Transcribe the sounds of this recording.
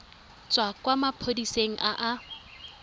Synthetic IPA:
t͡sʼwakʼwamapʰodiseŋ̩ʔaʔa

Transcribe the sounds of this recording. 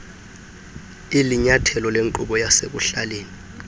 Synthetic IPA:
iliɲatʰɛlɔleŋǃuɓɔjasek̬uɬaleːni

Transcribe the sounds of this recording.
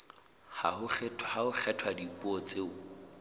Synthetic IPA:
ha̰hʊχʰɛtʰhahʊk͡xʰɛtʰwadipʼɔt͡sʼeʊ

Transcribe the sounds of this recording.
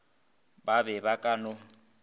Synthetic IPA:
babɛbakʼanʊ

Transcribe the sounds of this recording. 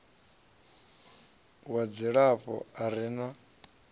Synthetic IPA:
wad͡ziɺaɸɔ̰aɾina

